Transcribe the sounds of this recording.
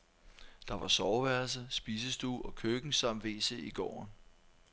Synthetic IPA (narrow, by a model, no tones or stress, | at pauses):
d̥ɑ̈ʋɑ̈sɒːʊʋæɐls̬əsb̥iːs̬əsd̥ṵːɒ̽kʰøɡ̥n̩sɑ̈m̰ʋe̝̰ːsḛiɡ̥ɒ̰ːn